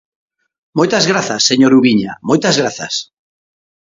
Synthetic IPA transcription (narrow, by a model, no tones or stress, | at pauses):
mojt̪azɣɾaθasːeɲoɾuβiɲa̰mojt̪azɣɾaθa̰s